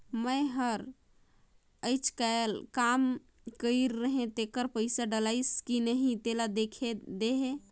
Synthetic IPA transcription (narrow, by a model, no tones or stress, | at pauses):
məjɦəɾ | əɪt͡ʃʰkaelkam | kəɪɾːəɦẽt̪ekəɾpəɪsaɖəlaɪskinəɦĩt̪elad̪ekʰed̪eɦẽ